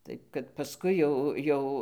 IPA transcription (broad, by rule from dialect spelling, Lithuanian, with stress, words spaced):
ˈtɐɪp kɐt pɐˈskʊɪ jɛʊ ˈjɛʊ